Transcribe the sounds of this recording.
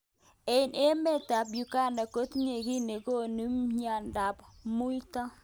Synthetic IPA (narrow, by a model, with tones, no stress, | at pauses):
e˨i˨ne˦me˦˨ta˨pju˨ka˦˨nda˨ko˦t̪ɲe˨ki˦ne˨ko˦nu˦mɲa˨nda˨pmu˦jta˦